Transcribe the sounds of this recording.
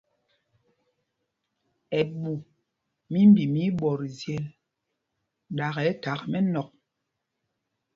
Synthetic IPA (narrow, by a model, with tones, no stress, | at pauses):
ɛ˨ɓu˨ | mi˦m˦bi˨mi˦ɓɔ˨ɾzjɛ˨l | ɗa˨ɣɛ˨˦ta˨˦kmɛ˦nɔ˨k̚